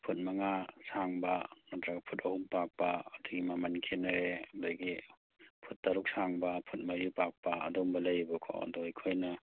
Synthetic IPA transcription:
pʰut̚maŋasaŋbanatɾaɡapʰutɐhumpak̚paːduɡimamankʰenaɾedaɡi | pʰutːaɾuk̚saŋbapʰut̚majupak̚pa̰ːdɔmbɐlajbɐkʰɔ̰dɔjkʰojna

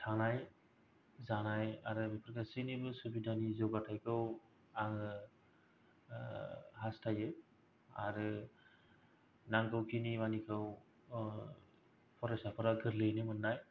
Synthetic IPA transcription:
tʰanaj | zanajaɾɯmipʰɾkasɯnibɯsubidʱanizɔɡatʰajkʰɯw | aŋɯ | ɦastʰajɯ | a̰ɾɯ | naŋkʰɯwkinimanikʰɯw | pʰɔɾɔsapʰɔɾaɡʰɯɾlɯjnɯmɯnːaj

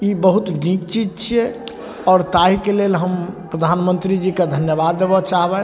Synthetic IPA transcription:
ibəɦut̪nikt͡ʃid͡ʒt͡ʃʰiɛ | ɔːɾt̪aɦikelelɦəmpɾəd̪ʱanmənt̪ɾid͡ʒiked̪ʱənjəbad̪ːebɔt͡ʃaɦbɛ

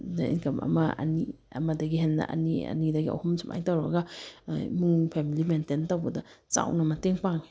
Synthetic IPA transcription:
daḭnkɐmʔɐ̰mɐɐ̰ni | ɐ̰mɐdɐɡiɦenːɐ̰ʔɐ̰niɐ̰nidɐɡiɐ̰whumsʰumʔa̰jtawɾɐ̰ɡa | muŋpʰemilimententawbɐdɐt͡ʃa̰wnɐmɐteŋpaŋ

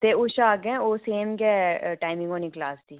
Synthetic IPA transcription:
t̪eʊʃaːɡɛ̃oːseːmɡɛːʈaːɪmɪ̃ŋɡoːniklaːsd̪iː

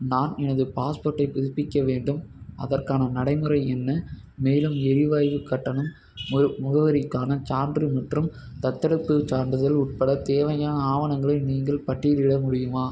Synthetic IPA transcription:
naːnɛnɐðɯpaːspoːʈːɐɪpɪðɪpːɪkːɐʋeːɳɖɯmʔɐ̰ðɐrkaːnɐnɐɽɐɪmɯɾɐɪɛnːɐ | meːlɯmɛɾɪʋaːjʋɯkːɐʈːɐnɯm | mʊɣɐʋɐɾɪkːaːnɐt͡ʃaːɳɖrɯmɐʈrɯm | t̪ɐt̪ːɐɾɯpːɯt͡ʃaːɳɖɯðɐlʊʈ̚pɐɽɐt̪eːʋɐjaːnaːʋɐnɐŋɡɐɭɐɪniːŋɡɐɭpɐʈːɪjɪlɪɽɐmʊɽɪjɯmaː

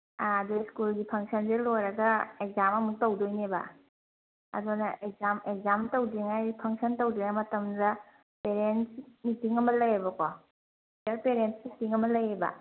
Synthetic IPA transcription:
aːduskulɡipʰɐŋsɐnzelojɾɐɡɐek̚zamɐmuk̚tɐwdojnebɐ̰ | ɐ̰donɐʔek̚zamekzamtɐwdiŋajpʰɐŋsɐntowdɔjɐmɐtɐmdɐ | peɾensmitiŋɐmɐlɐjebɐkɔ | aɾpeɾensmitiŋɐmɐlɐjebɐ̰

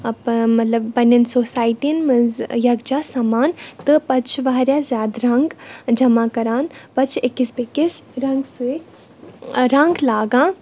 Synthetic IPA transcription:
ɐpmɐt̪lɐbːɐnɐnsoːsaːjʈiənmɐzjɐɡd͡ʒaːsɐmaːnt̪ɨpɐt͡ʃʰʋaɦɾjaːzʲjaːd̪ɾɐŋɡd͡ʒɐmaːkɐɾaːnpɐt͡ʃʰɪkːisbekɪsɾɐŋɡse | ɾɐ̃ŋɡlaːɡãː

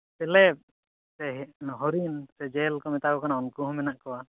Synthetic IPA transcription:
sɛlɛp̚ | sɛɦɔɦɔɾinsɛd͡ʒɛlkɔmɛt̪akɔkanaɔnkuɦɔmɛnaʔkɔwa

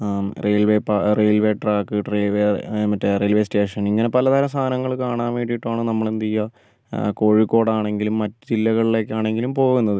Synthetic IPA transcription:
reːlʋeːpareːlʋe̞ːʈraːkːɨʈreʋemɐtːereːlʋeːste̞ːʂɐniŋːɐne̞pɐlɐðɐlɐst̪ʰaːnɐŋːɐɭkaːɳaːʋeːʈːijiʈːaːɳɨnɐmːɐɭent̪ijːɐ | ko̞ːɻikːo̞ːɽaːɳe̞ŋɡilumːɐtːɨd͡ʑilːɐɣɐɭile̞ːkʲːaːɳe̞ŋɡilumpo̞ːɣunːɐðɨ

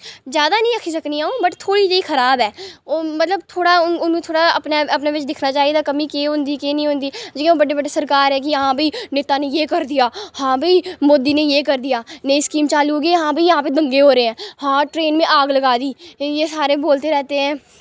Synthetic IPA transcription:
zjaːd̪anəĩːəkʰisəkniaːõbəʈt̪ʰoːɽid͡ʒəiːxʰəɾaːbɦɛːmət̪ləbt̪ʰoːɽaʊnʊnẽt̪ʰoːɽaəpnaəpnaːʋɪt͡ʃd̪ɪkʰnat͡ʃaːied̪aːkəmĩkeːɦʊ̃nd̪iːkeːnĩɦʊ̃nd̪iːd͡ʒiːkeoːbəɖebəɖesəɾkaːɾɦɛːk̬iɦãːbʱiːneːt̪anejeːkəɾd̪ɪjaːhãːbʱiːmoːd̪iːnejeːkəɾd̪ijaːneiskiːmt͡ʃaːlioɡeɦãːbʱiːjɦãːped̪ə̃ŋɡeɦoːɾeeɛ̃ːhãːʈɾeːnmẽʔaːɡləɡaːd̪iːjeːsaːɾẽboːlt̪eɾɛːt̪eɦɛ̃ː

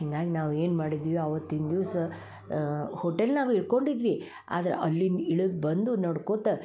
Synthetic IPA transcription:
hiŋɡaːɡinaːʋeːnmaːɽid̪iːʋiɐʋɐt̪ːind̪iːsɐ | hoʈelnaːʋiɭko̞ɳɖid̪ʋi | a̰ːd̪ɐɾḛʔɐlːiniɭud̪bɐnd̪unɐɽkoːt̪e

